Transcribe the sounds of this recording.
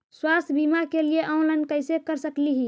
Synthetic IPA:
swast̪ʰbimakelieʔaũlənkəɪsekəɾsəkliɦi

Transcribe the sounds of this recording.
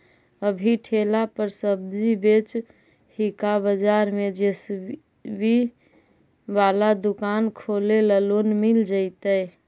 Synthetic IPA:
əbʱiʈʰelapəɾsəbd͡ʒibet͡ʃ | hikabəd͡ʒaɾmed͡ʒes | bi | ʋalad̪ukankʰoleləlonmild͡ʒəɪt̪əj

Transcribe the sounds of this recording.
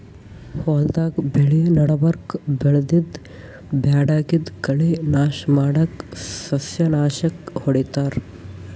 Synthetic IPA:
hoːld̪aːkbeɭinɐɽɐbɐɾkbeɭd̪id̪ | bʱjaːɽaːɡid̪kɐɭinaːʃmaːɽɐksɐsjɐnaːʃɐkhoɽit̪aːɾ

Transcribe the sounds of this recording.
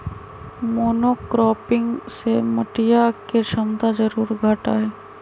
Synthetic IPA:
moːnoːkɾɔːpɪ̃ŋɡsemɐʈijakeʃɐmd̪ad͡ʒəɾuːɾɡʱaːʈa̰ːɦeː

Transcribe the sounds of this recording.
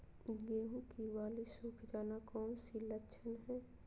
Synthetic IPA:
ɡeːɦũkiwaːlisuːkʰd͡ʒaːnakɔːnsilətːʃʰənɦɛː

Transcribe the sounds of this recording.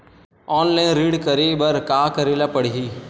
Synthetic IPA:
ɔːnlẽːnɾiːɽkəɾiːbəɾkaːkəɾelapəɽɦiː

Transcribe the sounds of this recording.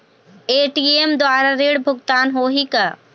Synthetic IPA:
eːʈiːemd̪waːɾaɾeːɽbʱʊɡt̪aːnɦoːɦika

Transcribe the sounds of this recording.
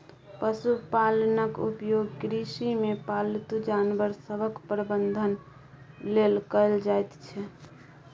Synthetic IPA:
pəsupalənəkupjoɡkɾisimepalt̪ud͡ʒanbəɾsəbʱəkpɾəbənd̪ʱən | lelkəld͡ʒajt̪t͡ʃʰɛ

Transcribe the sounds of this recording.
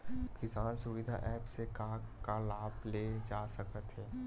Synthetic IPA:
kɪsãːnsʊʋɪd̪ʱa̰ʔɛːpsekakalaːbled͡ʒaːsəkət̪ɦɛː

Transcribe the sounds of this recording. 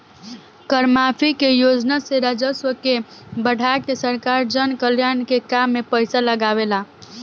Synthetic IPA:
kəɾmapʰikejod͡ʒnaseɾad͡ʒəswəkebəɽ̤ʱaekesəɾkaɾd͡ʒənkəljankekamːepəɪsaləɡaʋela

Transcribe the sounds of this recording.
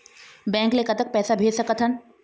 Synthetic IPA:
bɛ̃ːŋkleːkət̪ək̚pɛːsabʱeːd͡ʒsɐkət̪ʰən

